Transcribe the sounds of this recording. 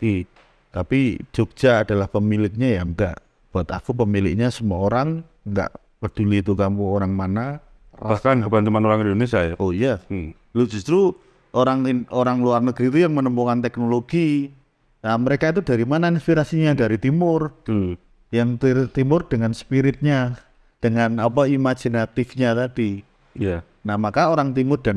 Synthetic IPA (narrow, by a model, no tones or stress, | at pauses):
i | t̪apid͡ʒ̥ok̚d͡ʒ̥aːd̥alahpəmilɪk̚ɲajaŋɡa̰ʔ | b̥uat̪a̰fupəmilɪ̰k̚ɲasəmaoɾaŋ | ŋɡa̰ʔ | pəd̥uliːt̪ukamuoɾaŋmana | b̥ahkankəbant̪umanoɾaŋindonisaja̰ʔoija | loʔd͡ʒ̥ust̪ɾu | ʔoɾaŋoɾaŋluarnəɡ̥ɾiːt̪ujaŋmənəmpokant̪ɛknoloɡ̥i | aməɾekait̪̬udaɾimanainspiɾasiɲadaɾit̪imʊr | jaŋt̪it̪imʊrd̥əŋanspiɾɪt̪̚ɲa | d̥əŋanapaimad͡ʒ̥inat̪ɪfɲat̪ad̥i | ja | namakaoɾaŋt̪imʊrd̥an